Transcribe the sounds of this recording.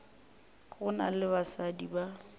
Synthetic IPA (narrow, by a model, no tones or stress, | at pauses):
ɣʊnalɪbasadiba